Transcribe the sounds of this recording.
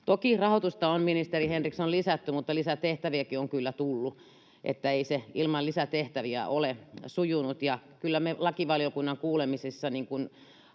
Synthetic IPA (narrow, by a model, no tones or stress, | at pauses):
t̪okirɑhot̪ust̪ɑomminist̪erihenriksonlisæt̪ːymut̪ːɑlisæt̪eht̪æʋiækioŋkylːæt̪ulːu | ʔḛt̪ːæeiseilmɑllisæt̪eht̪æʋiæ̰ʔolesujunut̪jɑkylːæmelɑkiʋɑlijokunːɑŋkuːlemisisːɑniŋkun